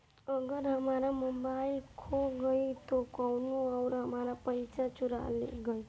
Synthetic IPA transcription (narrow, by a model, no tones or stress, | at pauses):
əɡəɾɦəmaɾamobailkʰoɡəit̪okɔwnuawɾɦəmaɾapəjt͡ʃat͡ʃuɾa̰lḛɡəj